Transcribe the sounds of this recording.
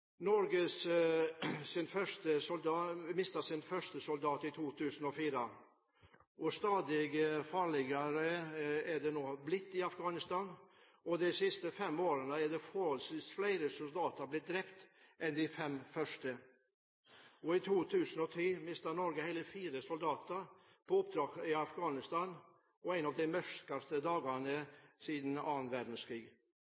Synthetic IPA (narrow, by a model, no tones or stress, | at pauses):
nɔɾɡəs | sɪnfœʂt̪əsʊld̪ɑmɪst̪ɑsɪnfœʂt̪əsʊld̪ɑːt̪ɪt̪ʰuːt̪ʰʉːsənɔfiːɾə | ʔɔst̪ɑːd̪ɪɡfɑɭɪɡɑɾəæɖ̪ɛnoːblɪt̪ːɪɑfɡɑːnɪst̪ɑːn | ɔd̪ɛsɪst̪əfɛmoːɾənəæd̪ɛfɔɾhɔlsʋiːsflæɪɾəsʊld̪ɑːt̪əɾblɪt̪̚d̪ɾɛpt̪ʔɛnd̪ɪfɛmfœʂʈə | ɔɪt̪ʰuːt̪ʰʉːsənɔt̪ʰiːmɪst̪ənɔɾɡəhæɪləfiːɾəsʊld̪ɑːt̪əɾ | pʰɔʊp̚d̪ɾɑːkɪɑfɡɑːnɪst̪ɑːn | ɔæɪnɑʋd̪ɛɪmœʂkɑst̪əd̪ɑːɡəɳəsiːd̪n̩ɑːnʋæɖ̪n̩skɾiːɡ